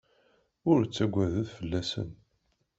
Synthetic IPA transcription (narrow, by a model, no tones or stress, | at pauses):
ʊɾt͡sːæɡʷːæðəðfəlːæsə̰n